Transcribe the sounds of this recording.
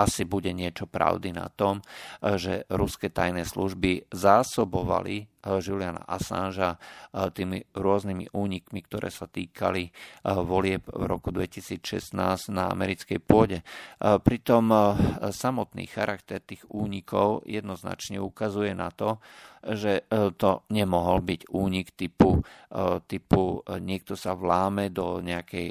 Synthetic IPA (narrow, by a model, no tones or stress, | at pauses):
asibuɟɛɲɪɛt͡ʃɔpɾa̰ʊd̪ina̰t̪ɔmʒɛɾuskɛt̪ajnɛsluʒbizaːsɔbɔʋa̰liʒiliana̰ʔasa̰nʒat̪iːmiɾʊɔznimḭʔuːɲikmikt̪ɔɾɛ̰ːsat̪iːkʰa̰liʋɔlɪɛbvɾɔ̰kud̪ʋɛcisiːt͡sʃɛ̰snaːznaa̰mɛɾit͡skɛjpʊɔɟɛpɾit̪ɔmsamɔt̪nḭːxaɾʔakt̪ɛɾt̪iːɣuːɲikɔ̰ʊjɛd̪nɔzna̰t͡ʃɲɛukazujɛnat̪ɔʒɛt̪ɔɲɛmɔɦɔlbiɟuːɲikt̪ipu | t̪ipuɲɪɛk̚t̪ɔsaʋlaːmɛd̪ɔɲɛakɛj